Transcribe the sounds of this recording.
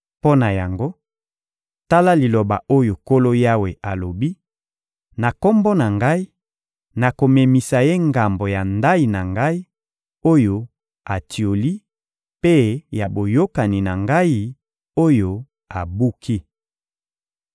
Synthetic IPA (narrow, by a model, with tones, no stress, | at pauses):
po˦na˨ja˨ŋɡo˦ | ta˦la˦li˨lo˨ba̰˨o˦jo˨ko˦lo˦ja˦we˨ʔa˨lo˨bi˦ | na˨ko˦mbo˦na˨ŋɡa˦i˦ | na˨ko˨me˨mi˨sa˨je˦ŋɡa˨mbo˨ja˨nda˦i˨na˨ŋɡa˦i˦ | o˦jo˨ | a˨tʰi˨o˨li˦ | pe˦ja˨bo˨jo˦ka˨ni˨na˨ŋɡa˦i˦ | o˦jo˨ | a˨bu˦kʰi˦